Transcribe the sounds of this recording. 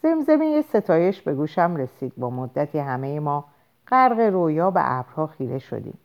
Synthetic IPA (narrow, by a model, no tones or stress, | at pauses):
z̥e̞mze̞mijese̞t̪ʰɒːje̞ʃbe̞ɡuːʃæmɾe̞siːd̪̥bɒːmod̪ːæt̪ʰiːɦæme̞jemɒː | ɢ̥æɾɣeɾojɒːbḛʔæ̰bɾhɒːxiːɾeʃo̰d̪ḭːm